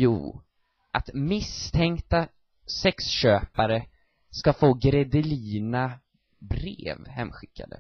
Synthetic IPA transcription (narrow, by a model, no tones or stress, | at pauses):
jṵː | ʔat̪mɪst̪ʰɛŋkt̪a | sɛksɕøːpaɾə | skafoːɡɾɛd̪ɪliːna | bɾḛːvhɛmːɧɪkʰːa̰d̪ə̰